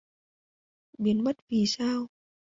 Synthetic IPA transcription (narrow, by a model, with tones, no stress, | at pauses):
ɓi˨˦ənmə˦˥t̚vi˨˩saː˧w